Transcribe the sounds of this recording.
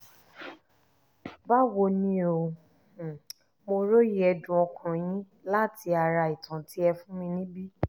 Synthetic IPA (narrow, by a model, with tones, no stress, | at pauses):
ba˦wo˧nĩ˦o˧˨ | mo˧ɾo˦ji˦ɛ˧dũ˨ɔ˧kʰã˨j̃ĩ˦ | la˦˨ti˧a˨ɾa˧i˨tʰã˨ti˦ɛ˧fũ˦mĩ˧nĩ˦bi˦